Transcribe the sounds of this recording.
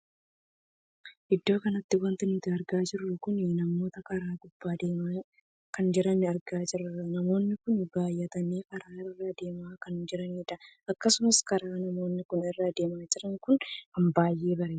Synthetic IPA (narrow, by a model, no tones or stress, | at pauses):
ʔɪd̪ːo̞ːkɐnɐt̪ːɪwɐnt̪ɪniːt̪ɪɐɾɡaːd͡ʒɪrːʊkʊnɪnɐmo̞ːt̪ɐkɐɾaːkʊb̥ːaːd̪eːmaː | kɐnd͡ʒɪɾɐnːɪɐɾɡaːd͡ʒɪrʊɐnɐmo̞ːnːɪkʊnbaːjːɐt̪ɐneːkɐɾaːɪrːad̪e̞ːmaːkɐnd͡ʒɪɾɐniːᶑɐɐkːɐsʊmɐskɐɾaːnɐmo̞ːnːɪkʊnɪrːad̪e̞ːmaːd͡ʒɪɾɐŋkʊnkɐmbaːjːe̞ːbɐɾeː